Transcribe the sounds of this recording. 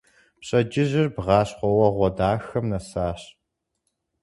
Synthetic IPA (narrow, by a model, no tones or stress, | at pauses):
pɕʼɐd͡ʒɪʑɪrbʁɑːɕχʷɔwɐʁʷɔdaːxɐmnɐsaːɕ